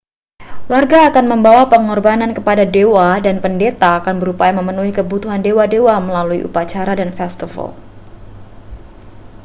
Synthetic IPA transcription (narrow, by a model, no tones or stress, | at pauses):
warɡaːkanməmbawapəŋɔrbanankəpadadewadanpəndet̪aːkanbəɾupajaməmənuɦikəbut̪uɦandewadewaməlaluḭʔṵpat͡ʃaɾadanfɛst̪ifə̰l